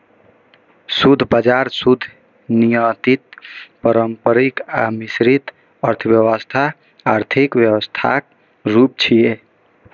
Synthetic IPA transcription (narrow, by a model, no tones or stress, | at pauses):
sud̪ʱbad͡ʒaɾsud̪ʱ | nijət̪it̪̚pəɾəmpəɾikamisɾit̪ | əɾt̪ʰəbjəwəst̪ʰaː | ɾt̪ʰikʋjəwəst̪ʰa̰k | ɾup̚t͡ʃʰije